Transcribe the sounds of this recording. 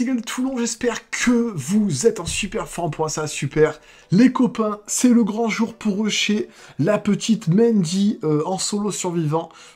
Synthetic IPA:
ɡalt̪ʰulɔ̃ʒɛspɛʁkʰəvuzɛt̪ɑ̃sypɛʁfɑ̃pwɛ̃sasypɛʁ | lekɔpɛ̃sɛləɡʁɑ̃ʒuʁpʰuʁøʃelapət̪ʰit̪mɛ̃nd̪iøɑ̃solosyʁvivɑ̃

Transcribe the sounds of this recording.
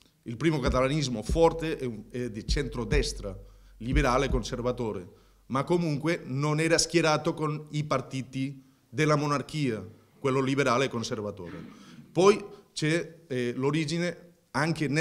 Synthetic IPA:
ilpɾiːmokat̪alanizmofɔrt̪eʔɛɛd̪et͡ʃɛnt̪ɾod̪ɛst̪ɾalibeɾaːlekonservat̪oːɾḛ | makːomuŋkwenonɛːɾaskjeɾaːt̪okonipart̪iːt̪i | d̪elamonarkiːa | kwelːolibeɾaːlekonservat̪o̰ːɾḛpɔjt͡ʃɛloɾid͡ʒine | aŋken

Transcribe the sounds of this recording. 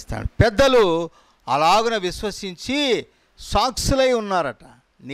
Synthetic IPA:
st̪a̰ːɽupɛd̪ːɐlu | ɐlaːɡunɐʋiʃʋɐsiɲt͡ʃi | saːksulɐjunːaːɾɐʈa | ni

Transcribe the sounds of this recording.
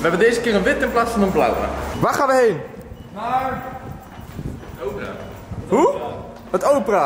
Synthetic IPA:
ʋəɦɛbəndejzəkɪːɾənʋɪtɪ̃nplaːtsfɑnənbla̰wa̰ʋaːχaːnʋəɦejn | ɦu | ɦətowpəraː

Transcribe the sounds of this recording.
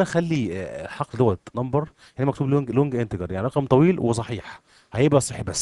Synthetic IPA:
næxælːiħɑqld̪owːæt̪nɑmbɑɾˤ | janimækt̪uːblloŋɡʔent̪eɡɑɾˤjaʕniɾˤɑqɑmt̪ˤɑwiːlwesˤɑħiːħ | hæjebʔæsˤeħbæsː

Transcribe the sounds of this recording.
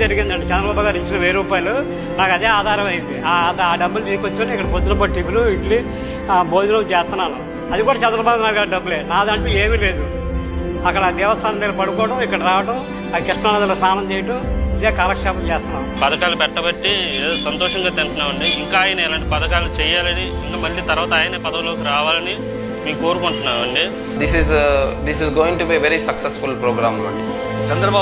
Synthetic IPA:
ɐɾiɡind̪ɐɳɖet͡ʃɛnd̪ɾɐbaːbɐɡaːɾit͡ʃːinɐʋeːɾuːpaːjɐlu | naːkɐd̪e̞ːaːd̪ʱaːɾɐmɐjind̪iat̪ɐaːɖɐbːulbiːkʋɐt͡ʃːiɐɳikːɐɽɐbod̪unɐp̬ɐʈipuluiʈli | boːd̪unɐmt͡ʃeːst̪unːaːnu | ɐd̪ikuːɽaːt͡ʃɛnd̪ɾɐbaːd̪naːjɾiɡaːɾiɖɐbːuleːnaːd̪ɐɳʈuːeːmile̞ːd̪u | ɐkːɐɽɐd̪ɛːʋɐst̪ʰaːnɐnt̪eːlɐpɐɽukɔːʋɐʈɐmikːɐɽɐɾaːʋɐʈɐm | ɐd̪ikiʂʈɐɐːnɐd̪ɐlost̪ʰaːnɐmt͡ʃɛːjɐʈɐmid̪eːkaɾɐkʈʂaːpɐmt͡ʃeːst̪unːaːmpɐd̪ɐkaːlupɛʈːɐbɐʈːieːosɐnt̪ɔːʂɐŋɡaːt̪ensɐnaːʋɐɳɖiːŋkaːjɐnɐɛːlaːɳʈepɐd̪ɐkaːlut͡ʃɛːjaːlɐniːŋkɐmɐɭlit̪ɐɾʋaːt̪aːjɐneːpɐd̪ɐkloːkiɾaːʋaːlɐni | miːuko̞ːɾukuɳʈunːaːʋɐɳɖi | d̪isizd̪isizɡoːĩŋʈubiʋeɾisɐksesfulpɾoːɡɾaːmlɐ̰ɳɖi | t͡ʃɐnd̪ɾɐbaː

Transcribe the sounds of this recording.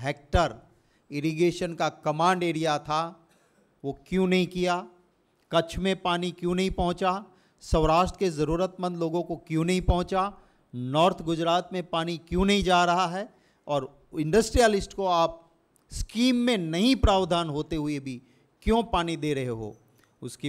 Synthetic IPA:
ɦeːk̚ʈəɾ | ɪɾiɡeːʃənkakɐmãːɳɖeːɾijat̪ʰa | ʋokjũːnɐɦĩkija | kɐt͡ʃʰmẽpaːnikjũːnɐɦĩpɐ̃ɦʊ̃t͡ʃa | sɐʋɾaːʃʈɾəkezɐɾuːɾət̪mə̃nd̪loːɡõkokjũːnɐɦĩpɐ̃ɦʊ̃t͡ʃa | nɔːɾt̪ʰɡʊd͡ʒɾaːt̪mẽpaːnikjũnɐɦĩd͡ʒaːɾɐɦaɦɛː | ɔːɾ | ɪ̃ɳɖəsʈɾijəlɪsʈkoaːp̚ | skiːmːẽnɐɦĩpɾaːʋd̪ʱaːnɦoːt̪eɦʊebʱi | kjõpaːnid̪eːɾɐɦeɦo̰ː | ʊsk

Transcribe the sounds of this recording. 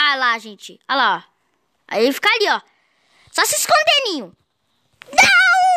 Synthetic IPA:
alaʒẽt͡ʃɪalaɔ | a̰ifi̥kaaliɔ | sɔsɪskõnd̪enĩɲʊ | nɐ̃w̃

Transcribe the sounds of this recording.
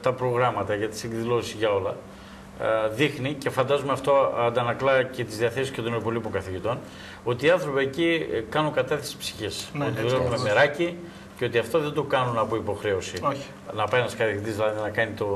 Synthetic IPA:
t̪ɐpɾo̞ɣɾɐmɐt̪ɐʝɐt̪i̥seɡðilo̞ssizʝɐo̞lɐ | ðixnice̞fɐnd̪ɐzumeɐft̪o̞ɐnd̪ɐnɐklɐce̞t̪izðiɐθe̞sisket̪oniepo̞lipokɐθiʝit̪o̞n | o̞t̪iːɐnθɾo̞piecikɐnuŋkɐt̪ɐθesi̥psi̥çisot̪iðulevumemeɾɐci | ceo̞t̪iɐft̪o̞ðe̞nd̪o̞kɐnunɐpoipo̞xɾe̞o̞sio | nɐpɐenɐskɐθit̪izðilɐðinɐkɐnit̪o̞

